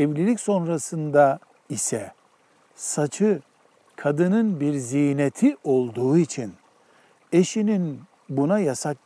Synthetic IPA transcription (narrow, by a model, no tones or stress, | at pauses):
ɛvlʲilʲicso̞nɾasɯnd̪a | isɛ | sat͡ʃʰɯ | kʰad̪ɯnɯnbiɾzijnet̪ʰio̞lˠd̪uːit͡ʃʰin | e̞ʃinin | bunajasak̚